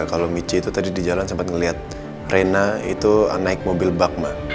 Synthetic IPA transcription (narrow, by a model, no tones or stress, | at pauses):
kalomit͡ʃiːt̪ut̪adidid͡ʒalansəmpat̪̚ŋəliɦat̪̚ | renaḭt̪ua̰naɪk̚mobɪlbak̚mah